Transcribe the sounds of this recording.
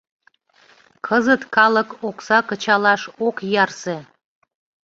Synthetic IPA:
kʰəzət̪kɑləkoksɑkət͡ɕɑlɑʃokjɑrse

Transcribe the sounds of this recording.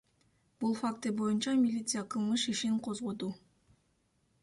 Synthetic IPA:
b̥ulˠfak̚t̪ɯbo̞junt͡ʃɑmʲilʲit̪sɨjaqʰɯlˠmɯʃiʃiŋqʰo̞zʁo̞d̪u

